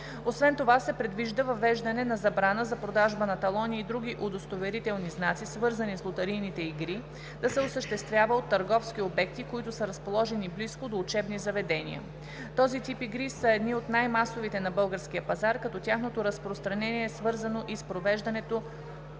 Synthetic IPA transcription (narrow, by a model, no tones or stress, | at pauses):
osvɛnt̪ovasɛpɾɛd̪viʒd̪əvɐvɛʒd̪ɐnɛnɐzɐbɾanəzɐpɾod̪aʒbənɐt̪ɐlˠɔniːd̪ɾuɡ̟ʲiʔod̪ost̪ovɛɾit̪ɛlˠniznat̪sisvɤɾzənislˠot̪ɐɾijnit̪ɛiɡɾi | d̪̥ɐsɛosəʃt̪ɛst̪vʲjavəot̪ːɐɾɡɔfskiobɛk̚t̪ikoit̪ʊsəɾɐspolˠɔʒɛnibliskod̪oːt͡ʃɛbnizɐvɛd̪ɛnḭə̰ | t̪ɔzit̪ipiɡɾisəɛd̪niot̪najmasovit̪ɛnɐbɤlˠɡəɾskiəpɐzaɾkɐt̪ɔt̪ʲjaxnot̪oɾɐspɾost̪ɾɐnɛniɛsvɤɾzənoʔispɾovɛʒd̪ɐnɛt̪o